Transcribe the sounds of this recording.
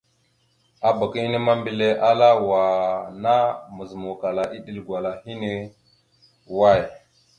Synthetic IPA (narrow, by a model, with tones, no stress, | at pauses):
a˨ba˨ki˦i˦ni˦ma˦mbi˨le˦ʔa˦la˦wa˨na˦mə˨zmu˨ka˨la˨ʔi˦ɗi˦˨lɡʷwa˨la˨hi˦ne˦ | wa˦˨j